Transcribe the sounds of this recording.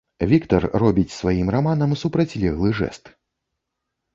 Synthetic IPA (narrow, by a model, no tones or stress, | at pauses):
vʲikt̪ɐrːɔbʲit͡sʲsvajimramanɐmsupɾɐt͡sʲlʲɛɣlˠɨʐɛ̰st̪